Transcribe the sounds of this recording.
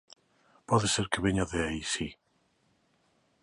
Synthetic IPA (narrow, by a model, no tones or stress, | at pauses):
pɔðeseɾkeβeɲaðeaisi